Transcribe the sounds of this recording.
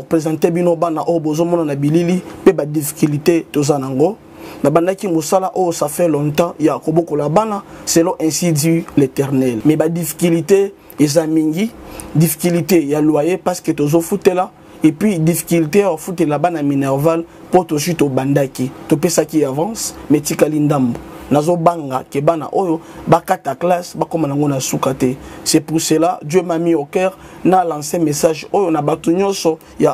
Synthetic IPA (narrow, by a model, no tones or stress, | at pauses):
opχezɑ̃tebinobanaʔojobozomɔnanabililipebadifi̥kylitetozanaaŋɡo | nabandakimosalaʔojosafɛlɔ̃tɑ̃jakobokolabanaselɔ̃ʔɛ̃sidiletɛʁnɛlmɛbadifi̥kilite | ezamiŋɡidifi̥kilitejalwajepasketozofutela | epɥidifi̥kyliteawafutɛlabanaminɛʁval | potos̬witobandakitopesakiavɑ̃smɛtikalindambonazobaŋɡa̰kebana̰ʔojo | bakataklasbakomaŋɡonasukatɛsɛpuseladjømamiokɛʁ | nalãsemesaʒojonabatuɲɔ̃nsɔ | ja